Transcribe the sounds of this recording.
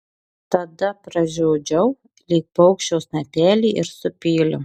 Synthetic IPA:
t̪ɐd̪ɐpɾɐʒʲoːd͡ʒʲɛʊ | lʲiːk̚pɐʊkʃʲt͡ʃʲɛʊsnɐpʲæːlʲiːʔɪɾsʊpʲiːlʲʊ

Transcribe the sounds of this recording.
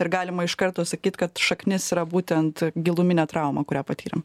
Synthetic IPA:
ɪɾɡɑːlʲɪmɐɪʃkɐrt̪oːsɐkʲiːt̪kɐt̪ʃɐknʲɪsiɾɐbuːt̪ʲɛnt̪ɡʲɪlˠʊmʲɪnʲɛːt̪ɾɑʊmɐkʊɾʲæːpɐt̪ʲiːɾʲɛ̰m

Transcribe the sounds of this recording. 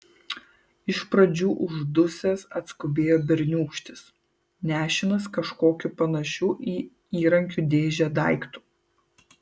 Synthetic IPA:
ɪʃpɾɐd͡ʒʲuːʔʊʒd̪ʊsʲɛsɐt̪skʊbʲeːjoːbʲɪɾʲnʲuːkʃʲt̪ʲɪs | nʲæːʃʲɪnɐskɐʃkoːkʲʊpɐnɐʃʲuːʔiː | iːɾɐŋʲkʲuːd̪ʲeːʒʲæd̪ɐˑɪkt̪u̥ː

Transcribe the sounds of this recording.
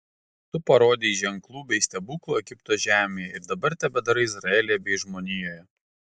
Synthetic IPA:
t̪ʊpɐɾoːd̪ʲeʒʲɛŋˑklˠuːbʲɛɪsʲt̪ʲɛbuːklˠuːɛɡʲɪpt̪oːʒʲæːmʲejɛɪɾd̪ɐbɐɾt̪ʲɛbʲɛd̪ɐɾɐɪzɾɐɛːlʲejɛbʲɛɪʒmoːnʲɪjoːjɛ

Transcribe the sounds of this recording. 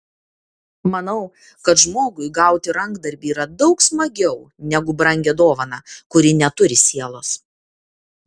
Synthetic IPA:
mɐnɐʊ | kɐt̪ʒmoːɡʊɪɡɑˑʊt̪ʲɪɾɐŋɡd̪ɐɾʲbʲiːɾɐd̪ɒʊksmɐɡʲɛʊ | nʲɛɡʊbɾɐŋʲɡʲɛd̪oːʋɐnɑkʊɾʲɪnʲɛt̪ʊɾʲɪsʲiɛlˠoːs

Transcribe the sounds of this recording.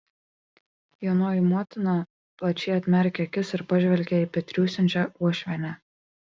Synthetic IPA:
joːnoːjɪmoɔt̪ʲɪnɑ | plˠɐt͡ʃʲɛːɐt̪ʲmʲɛɾʲkʲɛkʲɪsɪɾpɐʒʲʋʲɛlʲkʲɛiˑpʲɛt̪ʲɾʲuːsʲɛnʲt͡ʃʲɛuɔʃʲʋʲɛnʲæ

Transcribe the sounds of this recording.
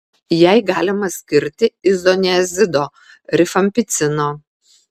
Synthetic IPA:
jɛɪɡɑːlʲɪmɐsʲkʲɪɾʲt̪ʲɪɪzɔnʲɛzʲɪd̪oː | ɾʲɪfɐmʲpʲɪt̪sʲɪnoː

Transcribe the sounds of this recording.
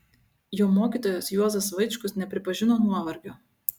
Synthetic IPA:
joːmoːkʲiːˑt̪oːjoːsjuɔzɐsʋɐɪt͡ʃkʊsnʲɛpʲɾʲɪpɐʒʲɪnoːnuɔʋɐɾʲɡʲoː

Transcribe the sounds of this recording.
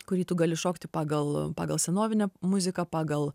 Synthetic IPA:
kʊɾʲiːt̪uɡɑːlʲɪʃoːkt̪ʲɪpɑːɡɐlˠpɑ̰ːɡɐlˠsʲɛnoːʋʲɪnʲɛmʊzʲɪkɐpɑːɡɐlˠ

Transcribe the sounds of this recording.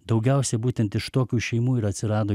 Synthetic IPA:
d̪ɒʊɡʲɛˑʊsʲɛbuːt̪ʲɛnt̪ɪʃt̪oːkʲuːʃʲɛɪmuːɪɾɐt̪ʲsʲɪɾɑːd̪oː

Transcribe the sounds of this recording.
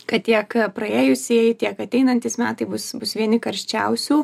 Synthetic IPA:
kɐtt̪ʲiɛkpɾɐeːjʊsʲeːjɪt̪ʲiɛkɐt̪ʲɛɪnɐnʲt̪ʲɪsmʲæːt̪ɐɪbʊsbʊsʋʲiɛnʲɪkɐɾʲʃʲt͡ʃʲɛʊsʲuː

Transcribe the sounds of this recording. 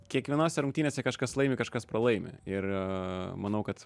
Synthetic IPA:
kʲiɛkʋʲiɛnoːsʲɛɾʊŋkt̪ʲiːnʲeːsʲɛkɐʃkɐslˠɐɪmʲɪkɐʃkɐspɾɐlˠɐɪmʲɪ̰ɪr | mɐnɐʊkɐt̪

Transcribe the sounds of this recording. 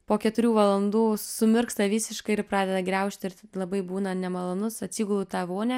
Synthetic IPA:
poːkʲɛt̪ʊɾʲuːʋɐlˠɐnd̪uːsʊmʲɪrkst̪ɐʋʲiːsʲɪʃkɐɪɪɾpɾɑːd̪ʲɛd̪ɐɡɾʲɛʊʃʲt̪ʲɪɾlˠɐbɐɪbuːnɐnʲɛmɐlˠoːnʊsɐt̪ʲsʲiːɡʊlˠʊt̪ɑʋoːnʲɛ

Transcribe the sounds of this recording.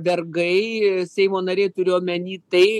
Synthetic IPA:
bʲɛrɡɐɪsʲɛɪmoːnɐɾʲeɪt̪ʊɾʲɪjoːmʲɛnʲiːt̪ɐɪ

